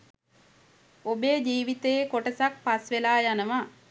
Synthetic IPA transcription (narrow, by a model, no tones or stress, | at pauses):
obeːd͡ʒiːʋit̪əjekoʈəsak̚pasʋelaːjanəʋa